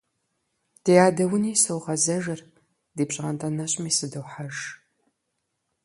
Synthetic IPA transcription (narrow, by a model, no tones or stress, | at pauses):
d̥ejaːdɐwʊniːsowʁɐzɐʒɐr | diːpɕʼɪʁɐntʰʼɐnɐɕʼmiːsɨdɨwħaʒ